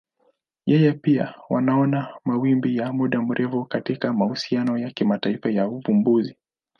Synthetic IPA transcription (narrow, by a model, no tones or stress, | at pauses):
jɛjɛpia̰wʔa̰naɔnamawimbijamuɗam̩ɾʔɛfukatikamahusianɔjakimataifajaupumbuzi